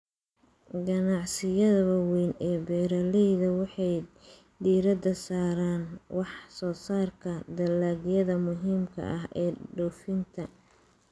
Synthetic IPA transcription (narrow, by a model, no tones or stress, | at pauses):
ɡɐnɑʕsɪjɐðɐβɐwɛːnɛːbɛːɾɐlɛjðɐwɑħɑj | d̪iːɾɐd̪ɐsaːɾaːnwɑħsɔːsaːrkʰɐd̪ɐlaːɣjɐðɐmʊɦiːmkʰɐ̰ʔɐɦʔɛːɖɔːfɪnt̪ʰɐ